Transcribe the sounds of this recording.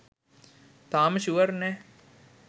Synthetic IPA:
t̪aːməʃuʋəɾnɛː

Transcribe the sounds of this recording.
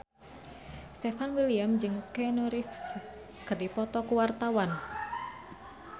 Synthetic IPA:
st̪ɛfanwiliamd͡ʒɨŋkɛnɔɾifs | kɨrdipɔt̪ɔkuwart̪awan

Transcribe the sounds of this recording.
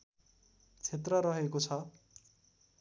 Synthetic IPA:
t͡sʰet̪rʌɾʌɦekot͡sʰʌ

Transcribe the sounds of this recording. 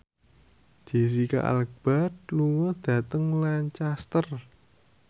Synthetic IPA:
d͡ʒ̥e̤s̬ika̰ʔa̰lək̚b̥a̤t̪̚luwɔd̪̥ä̤t̪əŋlant͡ʃast̪ər

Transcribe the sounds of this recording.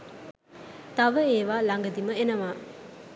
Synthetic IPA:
t̪ɐʋəeʋalaŋɡəd̪imɐenɐʋa

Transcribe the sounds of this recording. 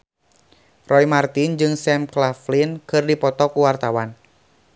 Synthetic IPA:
rɔjmart̪ind͡ʒɨŋsɛmklaflinkɨrdipɔt̪ɔkuwart̪awan

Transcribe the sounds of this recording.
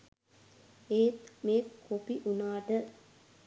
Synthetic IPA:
eːt̪meːkkʰːopiʔunaːʈə

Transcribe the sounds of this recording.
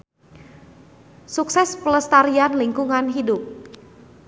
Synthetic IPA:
suksɛspələst̪aɾianliŋkuŋanɦidʊp̚

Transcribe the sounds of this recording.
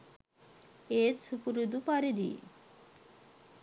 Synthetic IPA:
et̪supuɾud̪upaɾed̪ḭ

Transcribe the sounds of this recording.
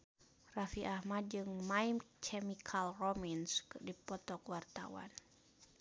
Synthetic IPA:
rafiʔahmad͡ʒɨŋmaimt͡ʃʰɛmikʰalrɔminskɨdipɔt̪ɔkwart̪a̰wa̰n

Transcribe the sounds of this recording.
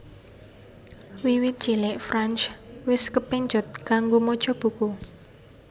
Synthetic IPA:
wiwɪt̪̚d̥ʒ̥ilɪʔfɾant͡ʃwɪskəpɛɲd͡ʒɔ̤t̪̚kaŋɡomɔd̥ʒ̥ɔ̤b̥ṳku

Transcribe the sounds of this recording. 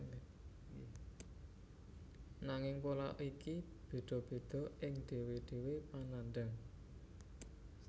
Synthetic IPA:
naŋɪŋpolaʔiki | b̥e̤d̪̥ɔ̤b̥e̤d̪̥ɔ̤ʔɪŋɖ̪̥e̤weɖ̪̥e̤wepananɖ̪əŋ

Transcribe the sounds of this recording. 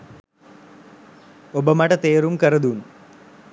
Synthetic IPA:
obɐmɐʈɐt̪eːɾumkɐrɐd̪un

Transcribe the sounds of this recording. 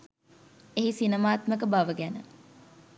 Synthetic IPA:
eɦisinəmaːt̪məkəbaʋəɡænə

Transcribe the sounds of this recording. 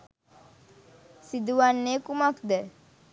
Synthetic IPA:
sid̪uʋanːeːkumakd̪ə

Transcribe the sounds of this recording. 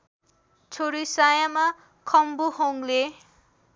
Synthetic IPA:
t͡sʰoɾisajama | kʰʌmbuɦoŋle

